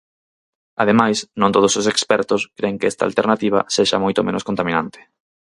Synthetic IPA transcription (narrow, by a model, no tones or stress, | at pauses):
að̞emajsnõnt̪oð̞ososekspɛɾt̪oskɾeŋkeɛst̪a̰lt̪eɾnat̪iβ̞ɐ̰seʃa̰mojt̪omenoskont̪amĩnãnt̪ɪ̥